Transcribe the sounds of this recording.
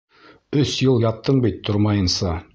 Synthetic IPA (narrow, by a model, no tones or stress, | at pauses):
ɵsjɤlˠjɑt̪ːɤɴbit̪ʰːoɾmɑjɤ̆nsɑ